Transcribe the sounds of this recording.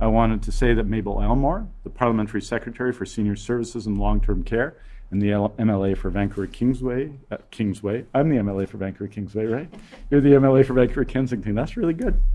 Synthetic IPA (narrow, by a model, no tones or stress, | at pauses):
ʔaɪwɑ̃ɾ̃ɨd̚tʰɨseɪðɨt̚meɪbl̩ˠɛlˠmɔɹðəpʰɑɹlˠəmɛ̃ntʰə˞isɛkɹɨtʰɛɹifə˞sĩnjə˞sɜ˞vɨsɨz̃n̩lɔ̃ŋtʰɜ̃˞mkʰɛɹɨ̃nðiɛɛ̃mɛlˠeɪfə˞væ̃ŋkʰə˞ɨkʰɪ̃ŋzweɪkʰɪ̃ŋzweɪãɪ̃mðiɛ̃mɛlˠeɪfə˞væ̃ŋkʰə˞ikʰɪ̃ŋzweɪɹaɪt̚jə˞ðiɛ̃mɛlˠeɪfə˞væ̃ŋkʰə˞ɨkʰɛ̃nzɪ̃ŋθʰɪ̃ŋðætsɹɪlˠiɡʊd̥̚